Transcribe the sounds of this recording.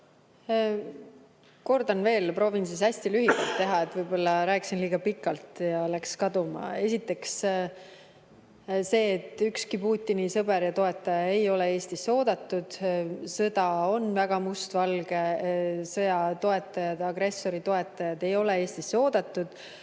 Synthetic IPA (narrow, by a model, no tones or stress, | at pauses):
ko̞rd̪ɑnve̞ːlpro̞ːvinsisæsʲt̪ilyɦikɑlt̪ːe̞ɦɑe̞t̪ːˑvɤjbo̞lːɑɾæːksinliːɡ̥ɑpikːˑɑlt̪jɑlækskɑd̪̥umɑ̰e̞s̬ʲit̪ːˑe̞ks | se̞ːt̪ːˑykskipuːt̪ʲːˑinisɤbe̞ɾjɑt̪o̞e̞t̪ːˑɑjɑe̞jo̞leeːst̪isːo̞ːd̪̥ɑt̪ˑːud̪̥sɤd̪̥ɑo̞nvæɡ̥ɑmust̪vɑlɡ̥e̞sɤjɑt̪o̞e̞t̪ːˑɑjɑd̪̥ɑɡre̞sːo̞ɾit̪o̞e̞t̪ːˑɑjɑd̪̥e̞jo̞le̞e̞ːst̪isːo̞ːd̪̥ɑt̪ːˑud̪̥